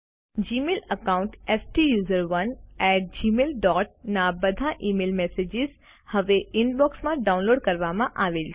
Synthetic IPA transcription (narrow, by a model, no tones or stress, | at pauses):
d͡ʒiːmeːləkaːʊ̃ɳʈɛːfʈijuːzəɾʋɐnɛːʈ̚d͡ʒiːmeːlɖɔːʈ̚nabɐd̪ʱãʔiːmeːlmɛːseːd͡ʒɪz | hɐʋeɪnbɔːksmãɖaːʊ̃nloːɖkɐɾʋamãʔaːʋeːl